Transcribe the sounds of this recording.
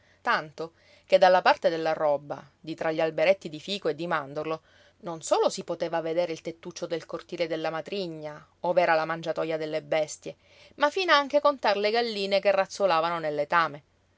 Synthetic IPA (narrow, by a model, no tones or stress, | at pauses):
t̪ant̪o | ked̪ːalːapart̪ed̪elːarɔbːa̰ | d̪it̪ɾaʎːialbeɾet̪ːid̪ifiːkoed̪ːimand̪orlo | nonsoːlosipot̪eːvaved̪eːɾeilt̪et̪ːut͡ʃːod̪elkort̪iːled̪elːamat̪ɾiɲːa | ovɛːɾalamand͡ʒat̪ɔjad̪elːebɛst̪je | mafiːnaaŋk̟ekont̪arleɡalːiːnekerːat̪sːolaːvanonelːet̪aːme